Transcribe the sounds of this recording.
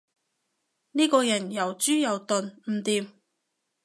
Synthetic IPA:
niː˥kɔː˧jɐ˨˩njɐ˨˩wt͡syː˥jɐ˨wt̪ɵ˨˧nm̩˨˩t̪iː˨˧m

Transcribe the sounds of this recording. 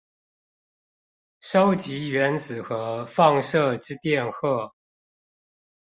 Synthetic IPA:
ʂo˦ʊt͡ɕi˨˥ɥɛ˧˦nt͡sɹ̩˨˩xɤ˧˥fɑ˥˧ŋʂɤ˥˧ʈ͡ʂɻ̩˥t̪jɛ˥˧nxɤ˥˩

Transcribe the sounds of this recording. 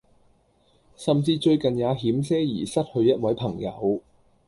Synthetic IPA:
sɐ˨mt͡siː˧t͡ʃɵ˧ɥkɐ˨njaː˨˧ɦiː˨˥msɛː˥jḭː˨˩sɐ˥t̚hɵ˧ɥjɐ˥t̚wɐ˨˥jpʰɐ˨˩ŋjɐ̰˨˧w

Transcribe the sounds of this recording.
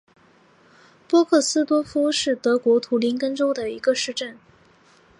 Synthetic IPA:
pwɔ˥kʰɤ˥˩sɹ̩˥t̪wɔ˥fu˥ʂɻ̩˥˩t̪ɤ˧˥kwɔ˧˥t̪ʰu˧˥li˧˥nkə˥nʈ͡ʂo˥ʊd̪ə˨i˧˥ɡə˧ʂɻ̩˥˧ʈ͡ʂə˥˩n

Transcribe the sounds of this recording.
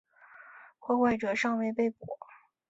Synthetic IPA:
kʰwɔ˥˧xwa˥˩ɪʈ͡ʂɤ˨˩ʂɑ˥˧ŋwe˥˧ɪpe˥˩ɪpwɔ˨˩˦

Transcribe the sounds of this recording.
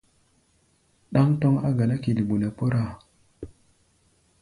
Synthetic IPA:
ɗa˦ŋto˦ŋa̰˦ɡa˨na˦ki˨li˨ɓu˨ne˨po˦ɾa˦˨

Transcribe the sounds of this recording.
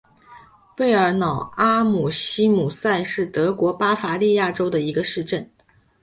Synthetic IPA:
pe˥˩ɪə˞˧˥nɑ˨˩ʊa˥mu˨˩ɕi˥mu˨˩sa˥˧ɪʂɻ̩˥˩t̪ɤ˧˥kwɔ˧˥pa˥fa˧˥li˥˧ja˥˩ʈ͡ʂo˥ʊd̪ə˨i˧˥ɡə˧ʂɻ̩˥˧ʈ͡ʂə˥˩n

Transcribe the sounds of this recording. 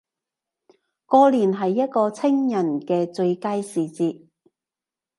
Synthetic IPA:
kɔː˧liː˨˩nɦɐ˨jːɐ˥t̚kɔː˧t͡sʰɪ˥ŋjɐ˨˩nkɛː˧t͡sɵ˧ɥkaː˥jsiː˨˩t͡siː˧t̚

